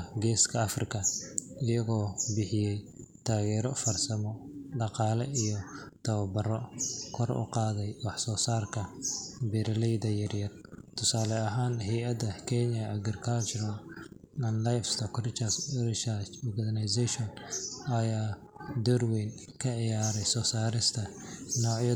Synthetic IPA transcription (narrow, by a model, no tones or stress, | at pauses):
ɡɛːskʰɐɐfrɪkʰɐɪjɐɣɔːbɪħɪjɛjt̪ʰaːɣɛːɾɔfɐrsɐmɔɖɑqɑːlɛijɔ | t̪ʰɐwɐbɐrɔkʰɔrʊ̰qɑːðɛjwɑħsɔːsaːrkʰɐbɛɾɐlɛjðɐjɐrjɐrt̪ʰʊsaːlɛɐɦaːnhɛjɐd̪ɐkʰɛnjɐʔɐɡɪrkʰat͡ʃɾɔn | ɐnlajfst̪ʰɔkrɪt͡ʃɐsrɪʃat͡ʃɔɡɐd̪ɐnɐjsɛʃɔnɐjaː | d̪ɔrwin | kʰɐʕɪjaːɾɛjsɔːsaːɾɪst̪ʰɐnɔːʕjɐ